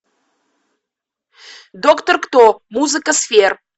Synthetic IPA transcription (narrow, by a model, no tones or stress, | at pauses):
d̪okt̪orkt̪omuzɨkəsfer